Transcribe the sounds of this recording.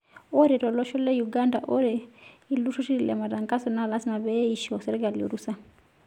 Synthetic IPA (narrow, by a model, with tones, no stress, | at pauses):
ɔ˦ɾɛ˨ɾɔ˨lɔ˦ʃɔ˦lɛ˦ju˨ɡa˦nda˨ʔɔ˦ɾɛ˨i˨lu˦ʃɔ˦ʃi˦ɾi˨la̰˨ma˨da˨ŋka˦sɔ˨na˨la˦si˦ma˨βɛ˦i˨ʃɔ˨sɛ˨ɾɛ˦ɡa˨li˨o̰˨ɾu˦sa˦